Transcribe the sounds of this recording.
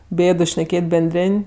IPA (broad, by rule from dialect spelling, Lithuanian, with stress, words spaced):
ˈbʲeːdʊ ʃʲnʲɛˈkʲeːtʲ bʲɛnʲˈdʲrʲeːnʲ